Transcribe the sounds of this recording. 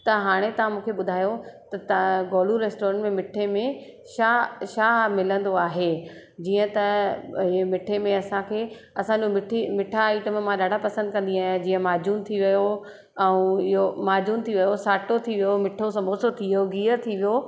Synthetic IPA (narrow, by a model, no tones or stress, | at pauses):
t̪ɐɦaːɽ̃et̪ɐʋãmũːkʰeɓʊd̪ʱaːjot̪ɐt̪ɡɔːluɾeːsʈoːɾə̃ɳʈmẽmɪʈʰːemẽ | ʃaʃaːɦmɪlə̃nd̪oaːɦe | d͡ʑiːə̃t̪ɐ | emɪʈʰemẽɐsãkʰeː | ɐsãd͡ʑomɪʈʰimɪʈʰaiʈəmmãɗaːɖʱapɐsə̃nd̪̚kɐ̃nd̪iaːɦd͡ʑiːə̃maːd͡ʑuːnt̪ʰiʋɐjo | ɛ̃ũɪɦomaːd͡ʑuːnt̪ʰiʋɐjosaːʈot̪ʰiʋijomɪʈʰosɐ̃mbʱoːsot̪ʰijoɡiːət̪ʰiʋijo